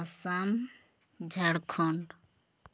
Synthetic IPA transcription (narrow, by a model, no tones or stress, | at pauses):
sam | d͡ʒʱaɽkʰɔɳɖ